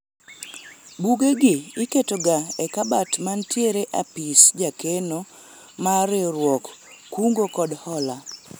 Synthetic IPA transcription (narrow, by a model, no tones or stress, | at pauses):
buɡeɡɪːketoɡaɛkabatmantjeɾeʔapisd͡ʒakeno | maɾeɾwɔkː | uŋɡokɔdhɔla